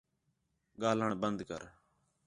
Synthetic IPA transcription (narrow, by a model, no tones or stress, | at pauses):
ɡaːləɳbənd̪kə̰ɾ